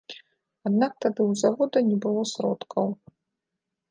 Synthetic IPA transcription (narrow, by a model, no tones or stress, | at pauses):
ad̪nak̚t̪ad̪ɨwzavɔd̪ɐnʲɛbɨlˠɔsɾɔt̪kʰɐw